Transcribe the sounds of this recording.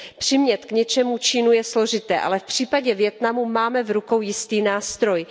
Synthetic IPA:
pr̝̥ɪmɲɛt̪kɲɛt͡ʃɛmut͡ʃinujɛslo̞ʒɪt̪ɛːʔa̰lɛfpr̥iːpaɟɛvjɛt̪namumaːmɛvɾuko̞wjɪst̪iːnaːst̪ɾo̞j

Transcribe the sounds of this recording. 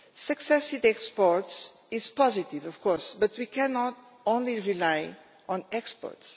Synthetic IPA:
sɨksɛsĩdɛkspɔɹts | izpɔzit̪ivɔvkɔɾsbɐt̪wikʰɛnɔt̪ | õnliɹilaj | ɔ̃nɛkspɔ̰ɾts

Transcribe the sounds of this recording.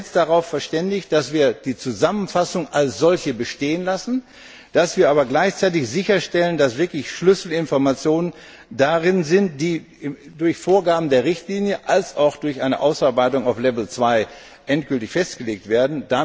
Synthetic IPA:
std̥aʁaʊfɛɐʃtɛndɪçd̥asv̥iːɐd̥iːt͡suzamənfasʊŋʔalsz̥ɔlçəbəʃteːənlasn̩ | d̥asv̥iːɐaːbɐɡlaɪçt͡saɪtɪçzɪçɐʃtɛləndasv̥ɪɐklɪçʃlʏsl̩ɪnfɔɐmat͡sjoːnən | daʁɪnzɪntd̥iː | dʊɐçfoːɐɡaːbm̩deːɐʁɪçtliːnjəʔalsaʊxd̥ʊɐçʔaɪnəʔaʊsaɐbaɪtʊŋaʊflɛvl̩t͡sv̥aɪ | ʔɛntɡ̥ʏltɪçfɛstɡ̥əleːk̚tv̥eːɐdn̩da

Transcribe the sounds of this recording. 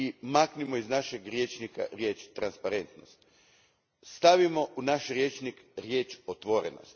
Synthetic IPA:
imaknimoiznaʃeɡɾjet͡ʃnika̰ɾje̞ːt͡ʃt̪ɾanspaɾe̞nt̪no̞st̪ | st̪aʋimo̞ʔunaʃɾje̞t͡ʃnikɾje̞ːt͡ʃot̪ʋo̞ɾḛno̞̰st̪

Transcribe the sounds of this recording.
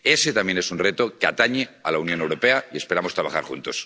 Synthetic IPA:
e̞set̪amjene̞sunret̪okeat̪aɲealaunjo̞newɾope̞aie̞spe̞ɾamost̪ɾaβaxa̰ɾxṵnt̪o̞s

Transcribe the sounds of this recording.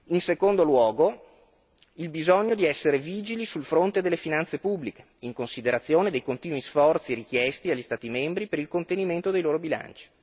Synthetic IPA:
insekond̪olwɔːɡo | ilbizɔɲːod̪iɛsːeɾeviːd͡ʒilisulfɾont̪ed̪elːefinant̪sepubːlike̥ | iŋkonsid̪eɾat̪sːjoːned̪ejkont̪iːnwisfɔrt̪siɾik̟jɛst̪iaʎːist̪aːt̪imembɾipeɾilkont̪eniment̪od̪ejloːɾobila̰nt͡ʃi̥

